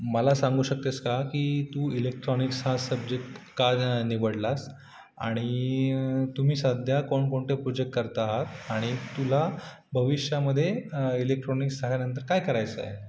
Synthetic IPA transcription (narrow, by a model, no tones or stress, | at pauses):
məlasãŋɡuːɕək̚t̪eskakiːt̪uːilek̚ʈɾɔniksɦasəbd͡ʑek̚ʈkaniʋəɽlas | a̰ɽ̃i | t̪um̤iːsad̪ʱjakoɳkoɳʈepɾud͡ʑek̚ʈ̚kəɾt̪aːɦat̪aɽ̃it̪ula | bʱəʋiɕjaməd̪ʱːjeilek̚ʈɾɔniksaɦjanənt̪̬əɾkajkəɾajt͡sə̰je